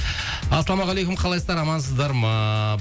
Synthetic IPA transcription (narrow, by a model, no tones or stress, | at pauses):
ɑsɑlˠɑmɑʁɑlˠejkʊmqʰɑlˠɑjsəzd̪ɑɾɑmɑns̬əzd̪ɑɾmɑ